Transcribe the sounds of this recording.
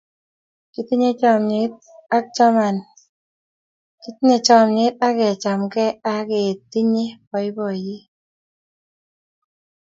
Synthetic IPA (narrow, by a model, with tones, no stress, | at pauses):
ki˨t̪i˦ɲe˦t͡ʃɔ˨mɲe˨˦t̪̚ | a˦k̚t͡ʃa˦ma˨n | ki˦t̪i˦ɲe˨t͡ʃɔ˦˨mɲe˦t̪̚a˦kɛ˨t͡ʃa˨mkɛ˦a˦ke˨t̪i˦ɲe˦pɔ˨ɪ˦bɔ˨ji˦